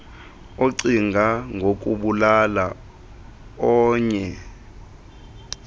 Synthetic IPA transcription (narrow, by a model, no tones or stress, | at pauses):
oǀiŋɡʱaŋɡʱok̬ʼuɓulala | ɔːɲɛ